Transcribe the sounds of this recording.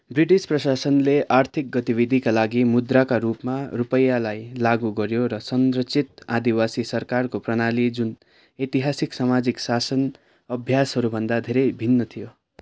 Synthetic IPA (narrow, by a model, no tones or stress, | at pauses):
briʈisprʌsasʌnleʔart̪ʰik̚ɡʌt̪ibid̪ʱikalaɡimud̪rakaɾupmarupʌjːalajlaɡuɡʌɾjoɾʌsʌnɾʌt͡sʰit̪ad̪iwasisʌrkarkoprʌnalid͡zun | et̪iɦasiksamad͡ziksasʌn | ʌbʱjasɦʌɾubʱʌnd̪ad̪ʱeɾʌjbʱinːʌt̪ʰijo